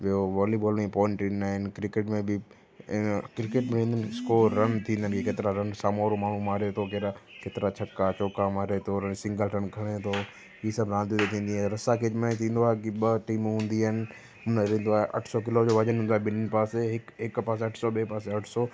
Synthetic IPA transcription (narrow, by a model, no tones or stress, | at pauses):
ɓioʋɔːliboːlmẽpɔ̃ːɪ̃ɳʈinaːɦɪnkɾɪkeːʈmẽbɪ | kɾɪkeʈmẽɾĩːnd̪ənɪskoːɾɐnt̪ʰĩːnd̪ənɪkʰekeːt̪ɪɾaɾɐnsaːmoɾomaːɳ̤ũmaːɾet̪ʰokeːɾakeːt̪ɪɾat͡ɕʰɐkːat͡ɕoːkamaːɾet̪ʰoɾɐnsɪ̃ŋɡəlɾɐnkʰɐɽ̃et̪ʰo | isɐbɾãːnt̪iut̪et̪ʰĩːnd̪iaɾɐsakʰeːd͡ʑmẽt̪ʰĩːn̆d̪oaːɦekiɓɐʈiːmɦũːnd̪iaːɪnɪ̆ | ɦʊnəɾẽːn̆d̪oaːɦeʔɐ̰ʈʰsɔk̬ɪlod͡ʑoːʋɐd͡ʑənɦũːnd̪oaːɦebɪnnɪ̆paːseɦɪkɦɪkpaːs̬eɐʈʰsɔɓeːpaːseɐʈʰsɔː